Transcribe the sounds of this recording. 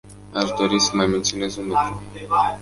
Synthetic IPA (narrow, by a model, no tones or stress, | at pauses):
aʃd̪o̞ɾisəmajme̞nt̪siunezunok̪ɾu